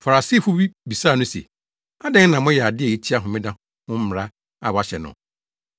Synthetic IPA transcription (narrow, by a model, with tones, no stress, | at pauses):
fa˨ɾa˨si˦˨fʊ˦bi˦bi˨saː˦˨nʊ̃˦sḛ˨ | a˦dɛ̃˦ŋ˦nã˨mʊ̃˦jɛ˨a˨dɪ˦ɛ˨e˦t͡ɕʰi˦a˦ɦʊ̃˨mɪ̃˦dã˦ | hʊ̃˦m̩˦m˨ɾa˦ | a˨wa˨ɕɛ˨nʊ̰̃˨